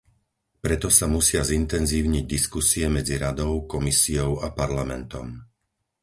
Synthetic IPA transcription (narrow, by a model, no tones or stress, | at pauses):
pɾɛt̪ɔsamusɪazint̪ɛnziːʊɲiɟd̪iskusiɛmɛd͡ziɾad̪ɔʊkɔmisiɔʊapaɾlamɛnt̪ɔ̰m